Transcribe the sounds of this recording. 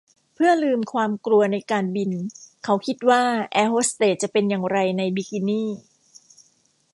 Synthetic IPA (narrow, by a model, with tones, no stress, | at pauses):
pʰɯ˥˩ɐlɯː˧mkʰwaː˧mklu˧ɐna˧jkaː˧nbi˧nkʰa˦˥wkʰi˦˥t̪̚waː˥˩ʔɛː˧hoː˦˥st̪eː˨˩t̪̚t͡ɕa˨˩pe˧njaː˨˩ŋɾa˧jna˧jbi˧ki˧niː˥˩